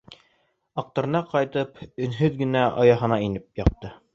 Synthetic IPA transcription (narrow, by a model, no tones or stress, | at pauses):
ɑq̚t̪ŏɾɤ̆nɑqɑjt̪ɤpɵ̆nɦɵðɡɘ̆næʔɑ̰jɑɦɤ̆nɑinɘp̚jɑq̚t̪ɤ